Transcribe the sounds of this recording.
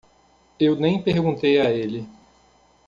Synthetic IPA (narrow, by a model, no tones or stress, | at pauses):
ewnẽj̃peɾɡũnt̪ejaelɪ